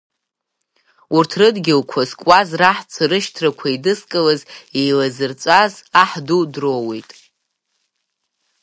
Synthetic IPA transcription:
urtʰrɨdɡʲɪlkʷʰazkʷʼwazraħt͡sʷʰaɾɨʃtʰrakʷʰaidɨskʼalazejlazɨrt͡sʷʼazaħdudrowejtʼ

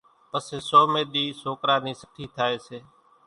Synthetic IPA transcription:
pəseːsoːmẽːɗ̪iːsoːkɾaːniːsə̥ʈʰiːt̪ʰaːeːseː

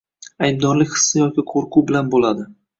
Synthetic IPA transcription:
ajb̚d̪ɒɾlɪkʲhɨ̥sːajɒkʲɪqʰoɾqʰubɪlanbolad̪ɪ

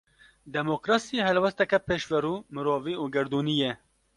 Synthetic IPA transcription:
d̪ɛmoːkɾɑːsiɦɛlwɛst̪ɛkɛpeːʃvɛɾuːmɨɾoːviːuːɡɛɾd̪uːnijɛ

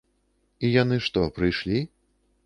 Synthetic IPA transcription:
ijanɨʂt̪ɔpɾɨjʂlʲi

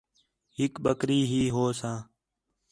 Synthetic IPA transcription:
ɦɪkɓəkɾiːɦiːɦoːsãː

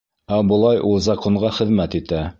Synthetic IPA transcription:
æbɤ̆lˠɑjʔulˠzɑqoɴɢɑχɘ̆ðmæt̪it̪æ

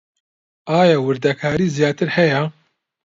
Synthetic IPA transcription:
ʔaːjaːwɨɾd̪ɐkʰaːɾiːzjaːt̪ɨɾhɛjɛ

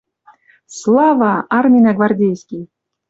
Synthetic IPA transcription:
slˠɑvɑɑrmʲinʲaɡvardʲejsʲkʲij

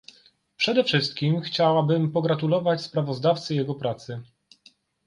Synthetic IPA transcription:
pʂɛd̪ɛfʂɘst̪̚kʲimxt͡ɕawabɘmpɔɡɾat̪ulɔvat͡ɕspɾavɔzd̪aft̪sɘjɛɡɔpɾat̪sɘ

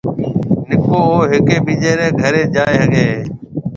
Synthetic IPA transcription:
nɪkoːoːɦɪkeːɓiːʄeːɾẽːɡʱəɾeːʄaːeːɦəɡeː

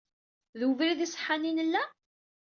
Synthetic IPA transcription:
ðuvɾiðisˤə̥ħːaninəlːæ

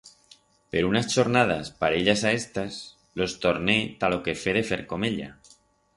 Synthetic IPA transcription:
peɾounast͡ʃoɾnað̞aspaɾeʎasaest̪as | lo̞st̪oɾnet̪aloke̞feð̞efeɾko̞meʎa̰

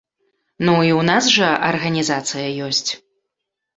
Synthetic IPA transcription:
nuiwnasʐɐɐrɣɐnʲizat̪sɨjɐjɔsʲt͡sʲ

